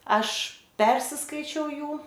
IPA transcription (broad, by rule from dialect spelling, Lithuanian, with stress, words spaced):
ˈɐʃ ˈpʲɛrʲsʲɪskɐɪt͡ʃʲɛʊ ˈjuː